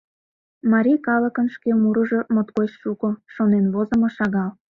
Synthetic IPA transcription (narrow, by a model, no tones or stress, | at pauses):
mɑɾʲijkɑləkənʃkemuɾə̆ʒo̽mot̪kot͡ɕʃukoʃonenβozəmoʃɑɣɑl